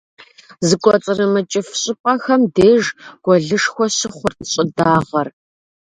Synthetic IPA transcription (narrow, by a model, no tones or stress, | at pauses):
zɨkʷʼɔt͡sʼɨrɨmɐt͡ʃʼɪfɕʼɪpʼɐxɐmdeːʒɡ̥ʷɔɮɨʂxʷɔɕɪχʷʊrtʼɕʼɪdaːʁɐr